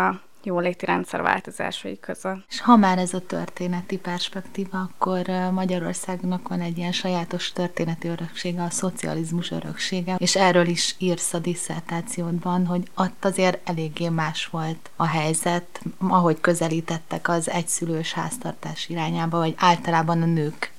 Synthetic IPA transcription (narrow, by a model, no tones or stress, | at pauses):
ɒ | joːleːt̪iɾɛ̰nt̪sɛ̰ɾrva̰ːlt̪oza̰ːʃɒ̰jikøzøleʃhɒmaːɾɛzɒt̪ø̰rt̪eːnɛt̪ipɛrʃpɛkt̪iːvɒɒkːo̞rmɒɟɒɾo̞̰rsaːɡnɒkʋɒnɛɟːijɛnʃɒjaːt̪o̞ʃt̪ø̞rt̪eːnɛt̪iøɾø̞kʃeːɡɛɒso̞t̪siɒ̰lizmuʃø̰ɾø̰kʃeːɡɛeːʃɛrøːliʃiːrsɒd̪isːɛ̰rt̪aːt̪sijoːd̪bɒnɦo̞ɟot̪ːɒzeːɾɛleːɡːeːmaːʃʋo̞lt̪ɒɦɛjzɛt̪ɒɦo̞ckø̞zɛliːt̪ɛt̪ːɛkɒzɛcsyløːʃha̰ːst̪ɒrt̪aːʃiɾaːɲaːbɒvɒɟaːlt̪ɒlaːbɒnɒnøːk